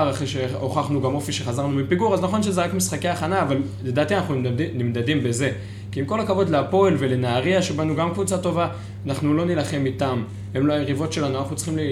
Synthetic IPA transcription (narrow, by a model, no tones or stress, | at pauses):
aʁaχʁeʃeoχaχnuɡamo̞fiʃe̞χazaʁnumipiɡuʁaznaχo̞nʃe̞zeʁakmisχake̞aːχanaːval | ledaːt̪ianaχnunimdadimbe̞ze̞ | kiimko̞lakavo̞dleapo̞elve̞le̞naːʁiaʃe̞banuɡamkvut͡sato̞va | naχnulo̞nilaχe̞mit̪am | hemloajeʁivo̞tʃe̞lanuanaχnut͡sχimli